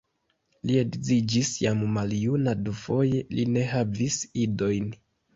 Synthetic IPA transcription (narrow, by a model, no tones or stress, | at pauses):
liedzid͡ʒisjammaljunadufo̞je̞line̞ɦavisido̞jn